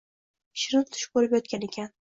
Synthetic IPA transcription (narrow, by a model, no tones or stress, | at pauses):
ʃɪɾɪt̪ʰːʊ̥ʃɪ̥p̚bolɪpjɒt̪̚kʲane̞kʲʰan